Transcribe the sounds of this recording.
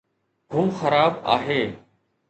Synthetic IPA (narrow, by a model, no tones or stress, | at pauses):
ɡʱʊmxəɾaːba̰ːɦeː